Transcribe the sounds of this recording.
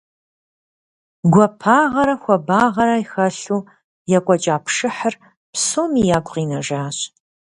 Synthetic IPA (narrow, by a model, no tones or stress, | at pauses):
ɡʷɔpʰaːʁɐɾɐxʷɔbaːʁɐɾajxɐɬuː | jɛkʷʼɔt͡ʃʼaːpʰʂɨħər | psoːmijaːɡʷqiːnɐʒaːɕʼ